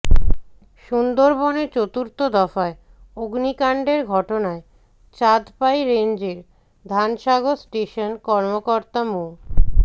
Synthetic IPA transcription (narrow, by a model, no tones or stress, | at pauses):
ʃund̪oɾboneɾt͡ɕot̪uɾt̪od̪ɔfae | oɡnikaɳɖeɾɡʱɔʈonae | t͡ɕad̪pajɾend͡ʑeɾ | d̪ʱanʃaɡosʈeʃonkɔɾmokoɾt̪amul